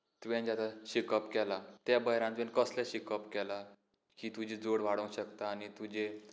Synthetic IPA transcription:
t̪uʋẽnd͡ʑat̪aɕikəpkɛlat̪jabəjɾãnt̪ʋẽnkəslaɕikəpkɛla | kiːt̪ud͡ʑid͡zoɽʋaɽə̃w̃ɕəkt̪aːnit̪ud͡ʑe

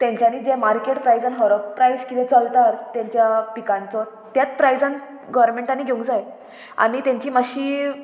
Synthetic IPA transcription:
t̪jãɲt͡ɕañiːd͡ʑemaɾkeʈpɾajd͡zanɦəɾəbpɾajskit̪ɛ̃t͡səlt̪aɾt̪jaɲt͡ɕjapikãnt͡sɔ | t̪jat͡spɾajd͡zan | ɡəʋəɾmẽɳʈanːiːɡʱeũɡd͡zaj | a̰ñit̪ãɲt͡ɕiːmaɕiː

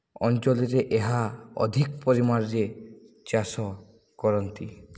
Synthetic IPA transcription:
ɔnt͡ʃɔliɾeʔeɦaɔ̰d̪ʱikpɔɾimaɾɾe | t͡ʃasɔ | kɔɾɔnt̪i

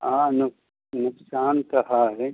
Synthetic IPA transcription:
ãːnʊ | nʊksaːnkɐɦaɦɛ

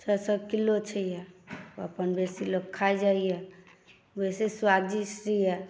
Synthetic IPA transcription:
t͡ʃʰəsəkilːot͡ʃʰəjɛoə̰pənbesiloɡ̚kʰaed͡ʒaijɛ | beseswaɡ̚d͡ʒisɾijɛ

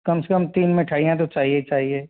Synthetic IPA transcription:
kɐmsekəmt̪iːnmẽʈʰaːɽijãt̪̬ot͡ʃaːɦiet͡ʃaːɦieː

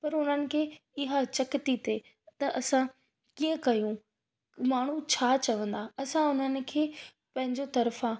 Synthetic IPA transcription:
pɐɾʊn̤ənɪ̆kʰeːɪɦat͡ɕɐkɪt̪it̪e | t̪ɐʔɐsã | kiːə̃kɐjũ | maːɳ̤ut͡ɕʰaːt͡ɕɐʋə̃nd̪aɐsãʊn̤ənɪ̆kʰeː | pɐ̃ɦɪ̃ɲd͡ʑot̪ɐɾfã

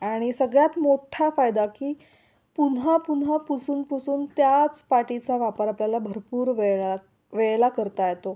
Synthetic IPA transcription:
aaɽ̃isəɡɭjat̪moʈʰafajd̪akiː | punɦapunɦapusuːnpusuːnt̪jat͡spaʈit͡saʋapəɾapljalabʱəɾpuːɾʋea | ʋeɭlakəɾt̪ajet̪o

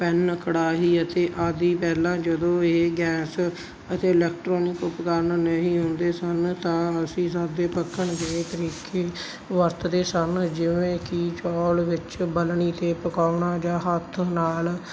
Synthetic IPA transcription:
pɛnkʰəɽaːɦiːət̪eːʔaːd̪iːpɛːlãːd͡ʒəd̪õːeːɡɛːs | ət̪eːɪlɛːk̚ʈɾɔːnɪkʊpkaːɾnnəɦĩːɦõːnd̪eːsənt̪ãːəsĩːsaːd̪eːpəkʰːəɳɡ̪et̪əɾiːkʰeː | ʋəɾt̪d̪eːsənd͡ʒɪʋẽːkit͡ʃɔːlʋɪt͡ʃbəlɳiːt̪eːpəkaːʊɳaːd͡ʒãːɦət̪ʰnaːl

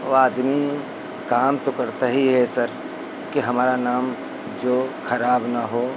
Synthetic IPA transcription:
oaːd̪mi | kaːmt̪okɐɾt̪aɦiɦɛsɐɾ | kiɦɐmaːɾanaːm | d͡ʒoːxʰɐɾaːbnaɦoː

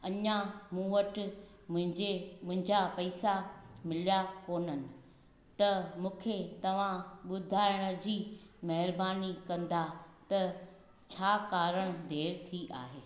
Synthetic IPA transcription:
ɐɲamũːʋəʈɪ | ʊ̃ɪ̃d͡ʑemʊ̃ɦɪ̃ɲd͡ʑapɐisamɪlijakoːnənɪ̆ | t̪ɐmũːkʰet̪ɐʋ̤ãɓʊd̪ʱaːɪɽ̃ə̆d͡ʑiːmɐɦɪɾbaːnikɐ̃nd̪at̪ɐ | t͡ɕʰaːkaːɾəɽ̃d̪ʱeːɾt̪ʰiʔa̰ːɦeː

